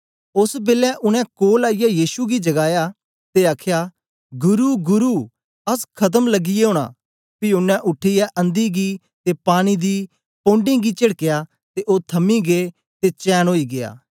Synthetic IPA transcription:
ʊsbeːlɛ̃ʔʊnɛ̃koːlaːijajiːʃuɡid͡ʒɐɡaːjaː | t̪eaːkʰjaː | ɡʊɾuːɡʊɾuː | ɐskʰɐt̪̬əmləɡɪjeɦõːɽ̃a̰ː | piʊnɛ̃ʔʊʈʰːijɛʔə̃nd̪iɡiː | t̪epaːɽ̃id̪iː | põːɳɖɪ̃ːɡiːt͡ʃɐɽkejaː | t̪eʔoːt̪ʰɐmiɡeː | t̪et͡ʃɛːnɦoːiːɡɪa̰ː

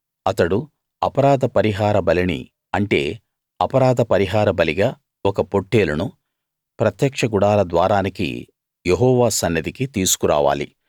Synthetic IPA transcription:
ɐt̪ɐɽu | ɐpɐɾaːd̪ʱɐpɐɾiɦaːɾɐbɐlinḭ | ɐɳʈe̞̰ː | ɐpɐɾaːd̪ʱɐpɐɾiɦaːɾɐbɐliɡaː | ɔkɐpo̞ʈːe̞ːlunu | pɾɐt̪jɐkʂɐɡuɽaːlɐd̪ʋaːɾaːnikḭ | jeɦɔːʋaːsɐnːɐd̪ikit̪iːsu̥kuɾa̰ːʋa̰ːlḭ

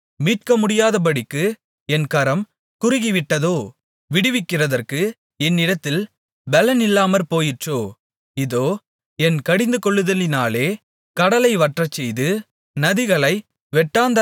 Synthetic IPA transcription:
miːʈ̚kɐmʊɽɪjaːðɐp̬ɐɽɪkːɯ | ɛnkɐɾɐm | kʊɾɪɣiʋɪʈːɐðoː | ʋɪɽɯʋɪkːɪrɐðɐrkɯ | ɛnːɪɽɐt̪ːɪl | bɐlɐnɪlːaːmɐɾpoːjɪʈroː | ɪðoː | ɛnkɐɽɪnd̪ɯkɔɭːɯðɐlɪnaːleː | kɐɽɐlɐɪʋɐʈrɐt͡ʃːɛjðɯ | nɐðɪɣɐɭɐɪ | ʋɛʈːaːnd̪ɐ

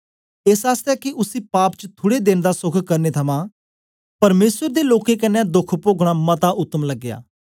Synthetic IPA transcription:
ɪsaːst̪ɛːkɪʔʊsiːpaːpt͡ʃət̪ʰʊɽeːd̪ɪnd̪aːsʊkʰkəɾneːt̪ʰəmãː | pəɾmeːsəɾd̪eːloːkeːkənːɛ̃ːd̪ʊkʰpoːɡɽ̃aːmət̪aːʔʊt̪ːəmləɡːja̰ː

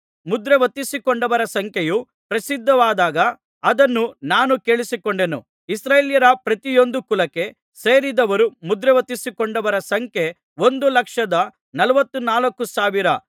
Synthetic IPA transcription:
mud̪ɾeʋɐt̪ːisikoɳɖɐʋɐɾɐsɐŋkjeju | pɾɐsid̪ʱːɐʋaːd̪aːɡɐː | d̪ɐnːunaːnuke̞ːɭisikoɳɖe̞nṵ | isɾeːljɐɾɐpɾɐt̪ijo̞nd̪ukulɐke̞ | seːɾid̪ɐʋɐɾumud̪ɾeʋɐt̪ːisikoɳɖɐʋɐɾɐsɐŋkje̞ | o̞nd̪ulɐkʂɐd̪ɐ | nɐlɐʋɐt̪ːunaːlɐkːusaːʋiɾɐ

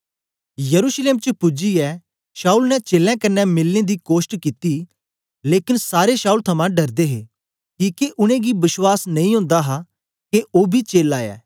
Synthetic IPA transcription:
jəɾuːʃleːmt͡ʃəpʊd͡ʒiɛː | ʃaːuːlnɛt͡ʃeːlɛ̃ːkɐnːɛmɪlːẽd̪ikoːʃʈkiːt̪i | leːkɪnsaːɾeʃaːuːlt̪ʰɐmãːɖɐɾd̪eɦeː | kiːkeʔʊñẽːɡibɪswaːsnɐ̃ĩːɦʊ̃ːnd̪aɦa | keʔoːbʱit͡ʃeːlaːjɛ̰ː

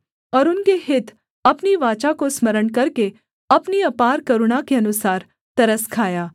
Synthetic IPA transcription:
əɾunkeɦɪt̪ | ɐpniʋat͡ʃakosməɾəɳkəɾke | ɐpniɐpaɾkəɾuɽ̃akeənusaːɾ | t̪ɐɾəskʰaːja

